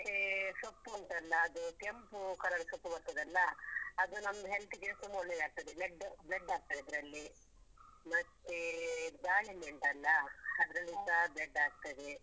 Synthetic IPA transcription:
esɐpːuɐnt̪ɐɐlːɐːd̪ukempukɐɾɐɾisɐpːubɐɾt̪ɐd̪ɐlːɐɐd̪unɐmd̪ɐɦelt̪iɡesumoɭːejaːɡ̚t̪ɐd̪eleɖːleɖaːɡ̚t̪ɐɽid̪ɾɐlːi | mɐt̪ed̪aːjɐmeɳʈɐlːɐɐd̪ɐɾɐlːisɐbeɖːaːɡ̚t̪ɐd̪e

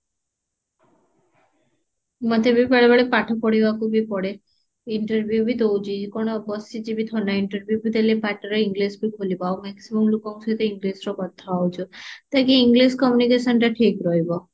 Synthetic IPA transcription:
mat̪ʰebʱipeɭbaɭepaʈʰɔpɔɽiʋakubʱipɔɽe | ɪɳʈəɾbjubʱid̪owd͡ʒid͡ʒikɔɽ̃ɔbɔsid͡ʒibʱit̪ʰɔnaiɳʈəɾbjubit̪elepaʈəɾɔiŋɡlesbʱikʰolibaumɛksiməmlukɔŋsʰut̪eiŋɡlesɾokɔt̪ʰːaaut͡ʃot̪akiːŋɡliskɔmjunikeʃənɾaʈʰikɾɔjbɔ

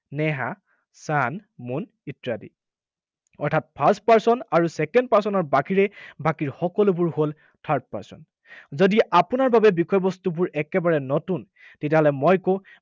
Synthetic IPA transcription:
nɛɦa | sanmun | itɹadḭ | ɔɹtʰat̚pʰaɹst̚paɹsɔnaɹusɛkɛndpaɹsɔnɔɹbakiɹɛbakiɹxɔkɔlʊbuɹhol | tʰaɹd̚paɹsɔ̰n | zodiʔapunaɹbabɛbikʰɔjbɔstubuɹɛkɛbaɹɛnɔtun | tɛt̬jaɦɔlɛmojkõ

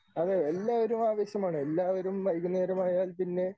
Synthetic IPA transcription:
ɐðeelːaːʋoɾumaːʋɐɕjɐmaːɳɨelːaːʋɐɾumʋɐjɣuneːɾɐmaːjaːlpinːe̞

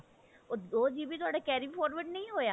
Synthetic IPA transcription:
oːoːd͡ʒiːbʱiːt̪ʊaːɖaːkɛːɾipʰɔːɾʋəɖnəĩːɦoːjaː

